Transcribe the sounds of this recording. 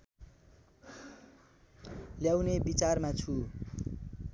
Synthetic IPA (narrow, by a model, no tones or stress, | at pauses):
ljawnebit͡sarmat͡sʰu